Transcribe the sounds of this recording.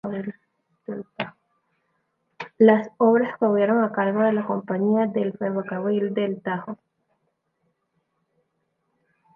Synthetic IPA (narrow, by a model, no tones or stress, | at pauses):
l | ela | lasoβɾaskoβjeɾo̞ŋakaɾɣoðe̞lako̞mpaɲiaðe̞lfeβokaβɾild̪elt̪axo